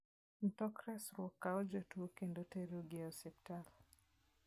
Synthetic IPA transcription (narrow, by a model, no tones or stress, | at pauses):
n̩tɔkɾɛsɾwɔkːaɔd͡ʒotuokendoteɾoɡeɔsɛptal